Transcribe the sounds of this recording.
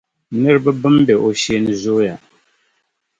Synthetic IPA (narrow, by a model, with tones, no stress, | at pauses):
nɨ˦ɾɨ˦ba˦bɨ˦mbɛ˨ʔo˨ʃe˦nɨ˨zʊ˦ja˨